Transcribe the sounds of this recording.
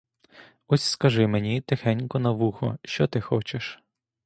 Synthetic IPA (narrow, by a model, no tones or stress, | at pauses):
ɔsʲskɐʒɪmenʲit̪ɪxɛnʲkɔnɐʋuxɔ̰ʃt͡ʃɔt̪ɪxɔt͡ʃeʃ